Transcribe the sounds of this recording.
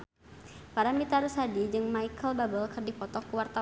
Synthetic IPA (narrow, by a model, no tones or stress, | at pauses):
paɾamit̪aɾusadid͡ʒɨŋmaikʰəlbabəlkɨrdipɔt̪ɔkuwart̪a